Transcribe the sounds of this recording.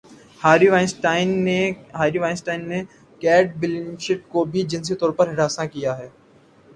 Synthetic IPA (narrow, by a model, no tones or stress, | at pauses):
haːɾiʋaːɪsʈaːɪnːeɦaːɾiʋaːɪnsʈaːɪnːe | kɛːʈ̚bɪlɪŋʃɪʈ̚kobʱid͡ʒɪns̬it̪ɔːɾpɐɾɦɪɽaːsãkijaɦɛː